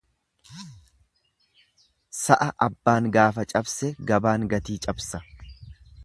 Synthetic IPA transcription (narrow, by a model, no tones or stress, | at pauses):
sɐʔɐʔɐbːaːŋɡaːfɐt͡ʃʼɐbsɛɡɐbaːŋɡɐt̪iːt͡ʃʼɐbsɐ